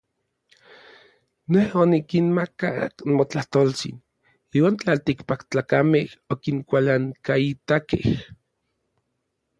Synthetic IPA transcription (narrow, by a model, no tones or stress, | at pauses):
nehonikinmaka̰mot͡ɬaht̪olt͡sḭn | iːwaːnt͡ɬalt̪ikpakt͡ɬaːkamehokiŋkʷalaŋkait̪akḛh